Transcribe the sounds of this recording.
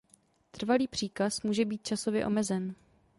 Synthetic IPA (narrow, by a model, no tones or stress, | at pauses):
t̪r̩valiːpr̝̥iːkasmuːʒɛbiːt̪̚t͡ʃaso̞vjɛ̰ʔo̞mɛzɛn